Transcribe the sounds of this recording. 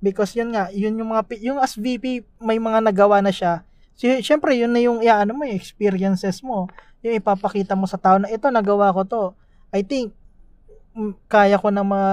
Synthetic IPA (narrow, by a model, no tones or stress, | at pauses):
bɪkosjʊnŋaʔjʊnjʊŋmɐŋapijʊŋɐsvipi | mɐjmɐŋanɐɡɐwanɐʃa | ʃɛmpɾɛjʊnːɐjʊŋɪʔaʔɐnomojʊŋɛkspiɾɪjɐnsɛsmo̞ | jʊŋɪpapɐkiːt̪ɐmo̞sɐt̪aːʔonɐʔɛt̪o̞nɐɡɐwako̞t̪o̞ | ʔɐjt̪iŋk̚ | kːaːjɐko̞nɐmɐa